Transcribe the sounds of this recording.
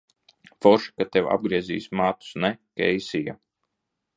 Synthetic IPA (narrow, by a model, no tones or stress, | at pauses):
fɔɾʃi̥kat̪ɛwa̰b̚ɡɾiɛzḭːsʲmaːt̪u̥snɛkɛjsija̰